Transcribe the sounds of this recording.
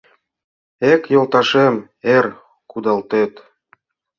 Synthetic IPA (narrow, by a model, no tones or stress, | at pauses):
ekjolt̪ɑʃem | er | kud̪ɑlt̪et̪